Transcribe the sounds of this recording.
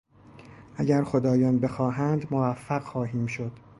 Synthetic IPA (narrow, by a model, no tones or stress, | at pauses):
ʔæɟæɾxod̪ɒːjɒːnbe̞xɒːɦænd̪movæfːæɣxɒːɦiːmʃod̪̥